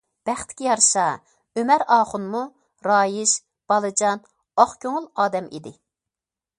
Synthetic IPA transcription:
b̥æχt̪ʰɪ̥kʲijɑɾʃɑ | ømɛɾɑːχʊnmu | ɾɑːjiʃ | b̥ɑlˠɨd͡ʒɑn | oχkʲʰøŋʊlˠɑːd̪ɛmʔḭd̪ɪ

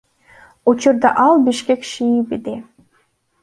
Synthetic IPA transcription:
ot͡ɕərd̪ɑʔɑlbiʃkekʃiibed̪e

